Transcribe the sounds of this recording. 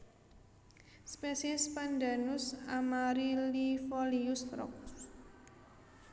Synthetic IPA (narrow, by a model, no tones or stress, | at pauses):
spesiɛspand̪anusamaɾilifɔliust̪ɾɔ̰k̚